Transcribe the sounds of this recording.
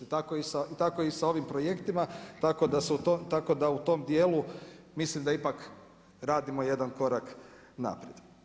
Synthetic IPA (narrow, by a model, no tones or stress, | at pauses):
t̪ako̞isait̪ako̞isao̞ʋimpɾo̞je̞kt̪imat̪ako̞d̪aseut̪ot̪ako̞d̪aut̪o̞ːmd̪je̞ːlu | mislimd̪aipak | ɾaːd̪imo̞je̞d̪anko̞ɾak | na̰pɾjed̪